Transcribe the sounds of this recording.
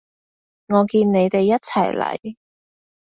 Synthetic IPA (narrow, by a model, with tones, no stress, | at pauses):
ŋɔː˨˧kiː˧nne˨˧jt̪e˨jːɐ˥t̚t͡sʰɐ˨˩jlɐ̰˨˩j